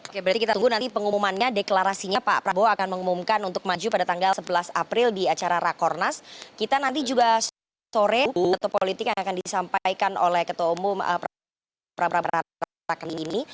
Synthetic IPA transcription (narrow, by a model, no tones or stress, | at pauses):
okebəɾat̪ikit̪at̪uŋɡunant̪ipəŋumumanɲadeklaɾasiɲapapɾaboakanməŋumumkanunt̪ʊk̚mad͡ʒupadat̪aŋɡalsəbəlasa̰pɾɪldiat͡ʃaɾaɾakɔrnaskit̪anant̪id͡ʒuɡas | soɾɛt̪opolit̪ɪkjaŋakandisampajkano̰lɛhkət̪oumʊmə̰pɾa | pɾabɾaəɾa | akaliini